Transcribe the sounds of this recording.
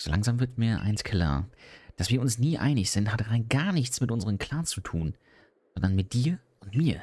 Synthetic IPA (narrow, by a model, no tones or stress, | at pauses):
z̥oːlaŋzaːmvɪɐtmiːɐʔa̰ɪnskʰl̥a̰ːɐd̥asv̥iːɐʊnsniːʔa̰ɪnɪçz̥ɪnthataɪnɡ̥aːɐnɪçt͡smɪtʔʊnzəʁəmkʰl̥aːnt͡sutʰṵːn | z̥ɔndɐnmɪt̚d̥iːɐʔʊntmiːɐ